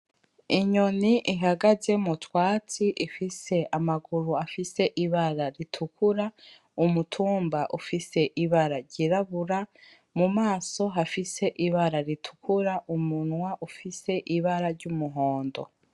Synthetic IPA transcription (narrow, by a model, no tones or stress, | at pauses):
iɲoniʔiɦaɡaze̞mutwaːt͡siʔifise̞amaɡuɾuafise̞ʔiβaɾaɾitʰukʰuɾa | umutʰuːmbaʔufise̞ʔiβaɾaɾɟiɾaβuɾa | mumaːso̞ɦafise̞ʔiβaɾaɾitʰu̥kʰuɾaʔumunwaʔufise̞ʔiβaɾaɾɟumuɦo̞ːndo̞̰